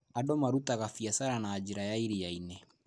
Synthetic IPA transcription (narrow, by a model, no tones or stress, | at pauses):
adɔmaɾutaɣafiasaɾanaːd͡ʒiɾajaiɾijainɛ